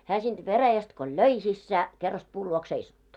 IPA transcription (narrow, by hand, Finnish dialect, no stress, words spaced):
hæː sind̥ ʋeræjæst ko løi sisːæ kerːɑst puːl luoks seisɑtːu